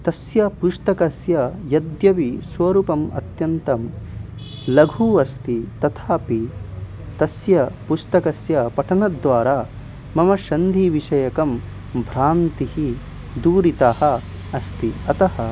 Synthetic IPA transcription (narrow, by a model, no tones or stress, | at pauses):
t̪ɐsjɐpuʂt̪ɐkɐsjɐjɐd̪jɐʋisʋɐɾuːpɐmɐ̰t̪jɐnt̪ɐm | lɐɡʱuːɐst̪it̪ɐt̪ʰaːpi | t̪ɐsjɐpust̪ɐkɐsjɐpɐʈʰɐnɐd̪ʋaːɾaː | mɐmɐʃɐnd̪ʱiʋiʂɐjɐkɐm | bʱɾaːnt̪ihi | d̪uːɾit̪ahɐ̆ | ɐst̪iɐt̪ɐhɐ